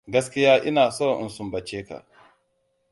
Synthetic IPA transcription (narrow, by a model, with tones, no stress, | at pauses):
ɡɐ˦skʲɪ˦jaː˦ʔɪ˦naː˨sɔ˦˨ʔɪ̰˨nsʊ˦mbɐ˨t͡ʃeː˦ka̰˨ʔ